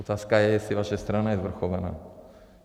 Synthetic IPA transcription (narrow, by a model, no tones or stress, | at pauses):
ot̪aːskajɛjɛsivaʃɛst̪ɾanajɛzvr̩xovana̰ː